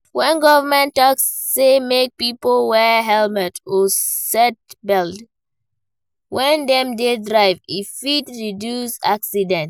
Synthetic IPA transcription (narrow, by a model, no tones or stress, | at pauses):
wɛ̃nɡɔvəmɛ̃ntɔksːemek̚pipolwɛɦɛlmɛtʰɔsɛt̚bɛld | wɛ̃ndɛ̃mdedɹaɪvifitɹidjusaksidɛ̃nt